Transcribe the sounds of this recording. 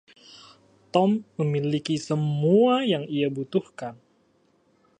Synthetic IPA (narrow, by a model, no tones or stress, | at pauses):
t̪ɔmːəmilikisəmuajaŋiabut̪uhkan